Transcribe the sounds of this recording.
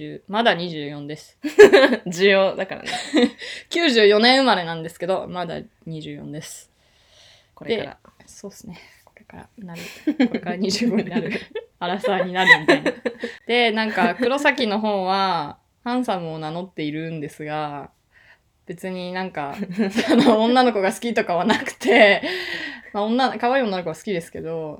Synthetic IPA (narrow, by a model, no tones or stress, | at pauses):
ɨːmad̪aɲ̟iʑɨːjõ̞nd̪e̞sɨ̥ | d͡ʑɨjoːd̪akaɾa̰nekʲɨːʑɨːjo̞nẽɰ̃ɯ̟maɾe̞nãnd̪e̞sɨ̥ke̞d̪o̞mad̪a̰ | ɲ̟iʑɨːjõ̞̰nd̪e̞sɨ̥ | koɾed̪e̞a̰ | so̞ːsɨne̞ | ko̞ɾe̞kaɾa̰naɾɯ̟koɾekaɾaɲ̟iʑɨːɡo̞ɲinaɾɯ̟aɾasaɲ̟inaɾɯ̟mʲit̪ainad̪̥e̞nãŋkakɯ̟ɾo̞sakʲino̞ɦõ̞ːβa | hãɰ̃samɯonano̞t̪ːe̞iɾɯ̟̃nd̪e̞sɨɡa | b̥e̞t͡sɨɲ̟inãŋkaanõːnːano̞ko̞ɡasɨ̥kʲit̪o̞kaβanakɯ̟̥t̪ʰe̞ | maõnːankaβaiːo̞nːanokoɡasɨ̥kʲid̪e̞sɨ̥ke̞̰d̪o̞